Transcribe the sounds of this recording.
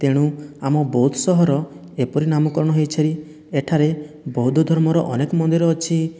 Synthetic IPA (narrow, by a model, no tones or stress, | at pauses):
t̪eɽ̃uamɔbɔɦut̪ʰɔsɔɦɔɾɔ | epɔɾinamɔkɔɾɔɽ̃ɔɦejt͡ʃʰaɾi | eʈʰaɾe | bɔɦud̪ʱɔd̪ʱɔɾmɔɾɔʔɔnekɔmɔnd̪iɾɔːt͡ʃʰi